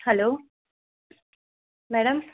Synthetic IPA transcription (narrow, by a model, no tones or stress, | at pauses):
hɛloː | mɛːɽɐm